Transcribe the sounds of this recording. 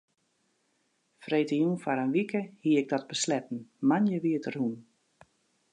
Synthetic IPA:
frejtəjunfaɾənʋikʰəhiəɪɡ̚dɔt̚bəslɛtn̩manjəʋiətərhun

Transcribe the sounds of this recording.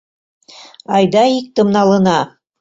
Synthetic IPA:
ɑjd̪ɑik̚t̪ɤ̆mnɑlˠɤ̆nɑ

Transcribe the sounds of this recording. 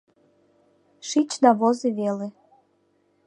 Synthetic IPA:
ʃit͡ɕnɑβozeβele

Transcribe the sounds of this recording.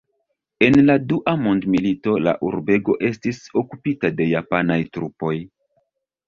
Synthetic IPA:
e̞nladuʔamo̞ndmilito̞la̰ʔṵɾbe̞ɡo̞ʔe̞stiso̞kupitade̞japanajtɾupo̞j

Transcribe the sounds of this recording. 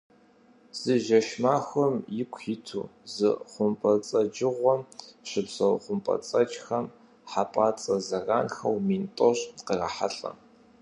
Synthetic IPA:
z̥ɨʒɐʃmaːxʷɔmjɪkʷʰɪtʰṵːzɨ̰χʷʊmpʼɐt͡sʼɐd͡ʒɪʁʷɔmɕɪbzɐwχʷʊmpʼɐ̰t͡sʼɐt͡ʃʼxɐm | ħapʼaːt͡sʼɐzɐraːnxɐ̰wmiːntʼɔɕqərɐħaɬʼɐ̰

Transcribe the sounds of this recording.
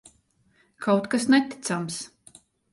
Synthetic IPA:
kʰawt̪kasnɛt̪i̥t̪sams

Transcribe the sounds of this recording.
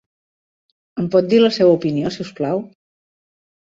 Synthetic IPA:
əmpɔt̪̚d̪iləsɛwəupiniosiwsklaw

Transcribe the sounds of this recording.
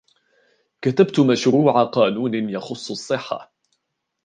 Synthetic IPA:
kat̪abt̪maʃɾuːʕaqɑːnuːnɪjɑxʊsˤːɑsˤːɨħːa̰

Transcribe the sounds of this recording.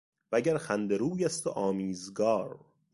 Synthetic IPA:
væɟæɾxænd̪eɾuːjæst̪ʰoʔɒːmiːzɡɒːɾ

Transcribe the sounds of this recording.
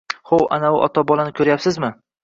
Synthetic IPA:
howa̰naʊʔɒ̰t̪ʰɒbɒlˠanɪkʰʲɵɾjapsɪzmɪ

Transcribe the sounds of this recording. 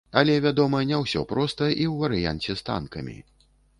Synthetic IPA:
ɐlʲɛvʲad̪ɔmɐnʲɛwsʲɔ̰pɾɔst̪ɐʔiwvɐɾɨja̰nʲt͡sʲɛst̪a̰nkɐmʲḭ

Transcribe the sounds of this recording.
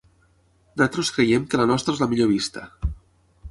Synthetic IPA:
nd̪at̪ɾoskɾejemkəlanɔst̪ɾaezlamiʎoβ̞ist̪ə

